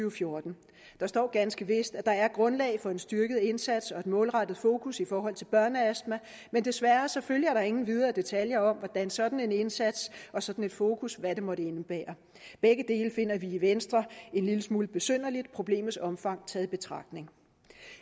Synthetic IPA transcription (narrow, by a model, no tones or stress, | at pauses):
yʊfjo̝ɐd̥n̩ | d̥ɑ̈sd̥ɒ̰ːɡ̥ænsɡ̥əʋe̝sd̥æd̥ɑ̈æɐɡ̥ʁɔ̽nlɛ̰ːɪfɒ̽e̝nsd̥yɐɡ̥əð̞̩ˠe̝nsæd̥sɒ̽e̝d̥mɔ̽ːlʁɑ̈d̥ð̞̩ˠfo̝ːkʰusifɒːɦɒ̽l̰t͡sʰe̝lb̥ɶɐnəæsd̥mæ | mend̥e̝sʋæɐsɒ̽føljɐæɐɾ̥ɑ̈e̝ŋn̩ʋið̞ˠɐːd̥e̝t͡sʰæljɐɒ̽mʋɒd̥ænsɒ̽d̥n̩e̝ne̝nsæd̥sɒ̽sɒ̽d̥n̩e̝d̥fo̝ːkʰusʋæde̝mɒ̽ɾəe̝nəb̥ɛ̰ːɐ | b̥eɡ̥əd̥e̝̰ːləfe̝n̰ɐʋiiʋensd̥ʁɐe̝nliləsmuːləb̥e̝søn̰ɐlid̥̚pʰʁo̝b̥le̝̰ːmð̩ˠsɒ̽mfɑ̈ŋ̰t͡sʰɛðˠib̥e̝t͡sʰʁɑ̈ɡ̥̚d̥ne̝ŋ